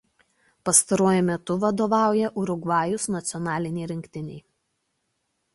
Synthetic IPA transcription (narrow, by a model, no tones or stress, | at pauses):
pɐst̪ɐɾuɔjʊmʲɛt̪ʊʋɐd̪oːʋɑˑʊjɛʔʊɾʊɡʋɑːjʊsnɐt̪sʲɪɔnɑːlʲɪnʲɛɪɾʲɪŋʲkʲt̪ʲɪnʲɛɪ